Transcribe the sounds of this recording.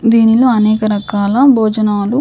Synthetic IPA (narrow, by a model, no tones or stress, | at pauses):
d̪iːnilo̞ːɐnɛːkɐɾɐkaːlɐbʱoːd͡ʒɐnaːlu